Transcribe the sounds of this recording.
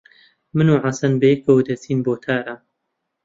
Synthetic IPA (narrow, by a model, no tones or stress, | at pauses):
mɨnuːʕasɐnbɐjɛk̚bɐwd̪ɐsiːnboːt̪ʰaːɾɐ